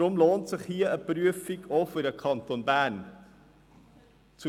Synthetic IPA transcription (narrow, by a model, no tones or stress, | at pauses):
ɾʊmloːntsɪχhiːəəpɾyəfiɡoːfyɾəkʰɑnt̪onbæːn | t͡su